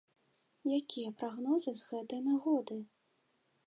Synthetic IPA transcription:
jakʲijɐpɾaɣnɔzɨzɣɛt̪ɐjnaɣɔd̪ɨ

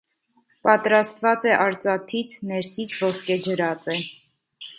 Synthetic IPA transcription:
pɑt̪ɾɑst̪vɑt͡sɛʔɑɾt͡sɑt̪ʰit͡sʰnɛɾsit͡sʰvɔskɛd͡ʒəɾɑt͡sɛ

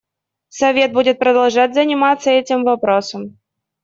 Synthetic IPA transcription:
sɐvʲe̞t̪̚budʲɪt̪̚pɾəd̪ɐlˠʐatʲzənʲɪmat̪sːəɛtʲɪmvɐpɾosəm

